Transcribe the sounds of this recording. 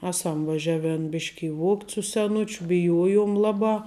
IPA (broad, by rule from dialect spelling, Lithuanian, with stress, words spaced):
ˈæːˌsɐm ʋɐˈʒʲæːˌʋʲɛn ˈbʲɪʃʲkʲɪ ɪ ˈʋuɔktʲ sʊ sʲɛˈnʊt͡ʃʲʊ bʲɪˈjuɔjuɔm ˈlˠɑːˌbɑː